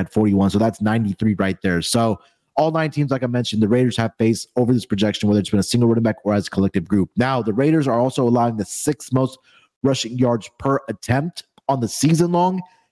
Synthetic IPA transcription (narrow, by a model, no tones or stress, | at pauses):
ɨd̥fɔɹɾiwʌ̃nsoʊðætsnãɪ̃ntiθɹiɹaɪt̪̚ðə˞soʊ | ɔlˠnãɪ̃ntʰĩmzlaɪkaɪmɛ̃nʃɨ̃n̩ðɨɹeɪɾə˞z̥ɨv̥feɪsoʊvə˞ðɪspʰɹ̥ɨd͡ʒɛkʃɨ̃nwɛðə˞ɨtsbɨ̃nəsɪ̃ŋɡl̩ˠʊɾⁿn̩bækə˞ɨzəkʰəlɛk̚tɨvɡɹʉp̚naʊðəɹeɪɾə˞zə˞ɔlˠsoʊəlaʊɪ̃ŋðɨsɪksmoʊst̚ | ɹʌʃɪ̃ŋjɑɹdz̥pʰə˞ʔɨtʰɛ̃mp̚t | n̩ðəsizə̃nlɔ̃ŋ